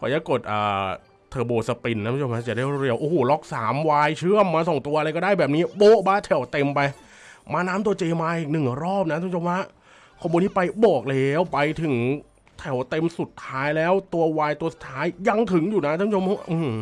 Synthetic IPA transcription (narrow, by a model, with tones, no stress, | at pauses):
pʰɔː˧˩jaː˦˩ko˨˩t̪̚ʔaː˨˩ | t̪ʰɤː˨˩boː˨˩t̪sa˧pi˧nːa˦˥˧t͡ɕʰo˧ma˦˥˩t͡ɕa˨˩daː˥˩jɾɾi˧əwʔoː˧˩hoː˨˩lɔ˦˥k̚saː˩˦mwaː˧jt͡ɕʰɯ˥˩əmːaː˧sɔ˨˩˦ŋt̪u˧ɐa˧ɾa˧jkɔː˥˩daː˥˩jbɛː˨˩p̚niː˦˥boː˦˥baː˦˥t̪ʰɛ˨˩˦wt̪e˧mpa˧j | maː˧naː˦˥mt̪u˧ɐt͡ɕeː˧maː˧ʔiː˨˩k̚nɯ˨˩ŋ˨˩ɾɔː˥˩p̚na˦˥a˥˩˦o˧mwaː˦˥˩ | kʰɔː˧mːuː˧nːiː˦˥˩pa˧jbɔː˨˩k̚lɛ˧˦˥wpa˧jt̪ʰɯ˨˩˦ŋ | t̪ʰɛ˨˩˦wt̪e˧msu˨˩t̪ʰːaː˦˥jlɛː˦˥wt̪u˧ɐwaː˧jt̪u˧ɐsu˨˩t̪ʰːaː˦˥jːa˧ŋt̪ʰɯ˩˦ŋjuː˨˩na˦˥aː˥˩pːʰo˧˦˥ʔɯː˧˩m